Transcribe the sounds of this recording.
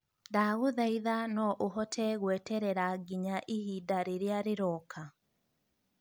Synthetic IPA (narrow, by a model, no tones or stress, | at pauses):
ndaɣoðaiðanɔʔoɦɔtʰɛɣwɛtɛɾɛɾaɡiɲaʔihidaɾeɾeaɾeɾɔkʰa